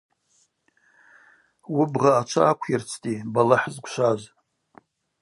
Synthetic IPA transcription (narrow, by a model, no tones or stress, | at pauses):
wʊbʁaːt͡ʃʷʰa̰ːkʷʰirt͡sʰtʼibalaħzɡʷʃʷaz